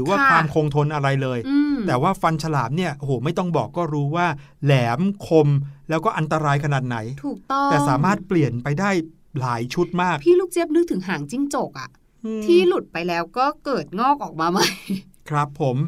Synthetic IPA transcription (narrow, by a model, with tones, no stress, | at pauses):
ɾɯː˩˦waː˥˩kwaː˧mkʰoː˧ŋt̪ʰo˧nʔa˧ɾa˧jlɤː˧jɯː˧t̪ɛː˨˩waː˥˩fa˧nt͡ɕʰa˧laː˩˦m̚ni˥˩ɐʔo˧hoː˩˦ma˥˩jt̪ɔ˥˩ŋbɔː˨˩kːɔː˥˩ɾuː˦˥waː˥˩ | lɛː˩˦mkʰo˧mlɛː˦˥wkɔː˥˩ʔa˧nt̪a˧ɾaː˧jkʰa˧naː˨˩t̪̚na˩˦jt̪ʰuː˨˩k̚t̪ɔ˥˩ɛː˨˩saː˩˦maː˥˩t̪̚pli˨˩ənpa˧jdaː˥˩j | laː˩˦jt͡ɕʰu˦˥t̪̚maː˥˩k̚pʰiː˥˩luː˥˩k̚t͡ɕi˥˩p̚nɯ˦˥k̚t̪ʰɯ˩˦ŋɦaː˩˦ŋt͡ɕi˥˩ŋt͡ɕo˨˩k̚ʔa̰˨˩ʔ | t̪ʰiː˥˩lu˨˩t̪̚pa˧jlɛː˦˥wkɔː˥˩kɤː˨˩t̪̚ŋɔː˥˩k̚ʔɔː˨˩k̚maː˧ma˥˩j | kʰɾa˦˥pʰːo˩˦m